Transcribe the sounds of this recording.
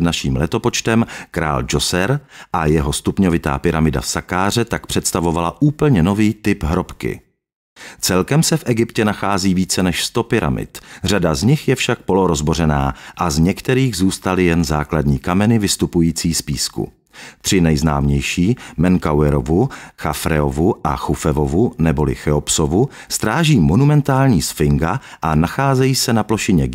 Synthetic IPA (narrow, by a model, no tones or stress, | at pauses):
dnaʃiːmlɛt̪o̞po̞t͡ʃt̪ɛmkɾa̰ːld͡ʒosɛɾʔajɛɦo̞st̪upɲovɪt̪a̰ːpɪɾamɪda̰fsakaːr̝ɛt̪akpr̝̥ɛt̪st̪avo̞valaʔuːpl̩ɲɛno̞viːt̪ɪpɦɾo̞pkɪ̰ | t͡sɛlkɛmsɛfʔɛɡɪpcɛnaxaːziːviːt͡sɛnɛʃst̪o̞pɪɾa̰mɪ̰t̪r̝adazɲɪxjɛfʃak̚po̞loɾo̞zbo̞ɾɛnaːʔazɲɛkt̪ɛɾiːɣzuːst̪alɪjɛnza̰ːkladɲiːkamɛnɪvɪst̪upujiːt͡siːspiːskṵ | t̪r̝̥ɪnɛjzna̰ːmɲɛjʃiːmɛŋkawɛɾovuxafɾɛ̰ovuʔa̰xufɛvovunɛbo̞lɪ̰xɛopsovust̪ɾaːʒiːmonumɛnt̪aːlɲiːsfɪŋɡaʔanaxaːzɛjiːsɛnaplo̞ʃɪɲɛ